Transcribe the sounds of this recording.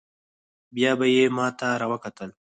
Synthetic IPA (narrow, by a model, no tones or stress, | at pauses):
bjɑːbajemɑːt̪aɾawɐkat̪əl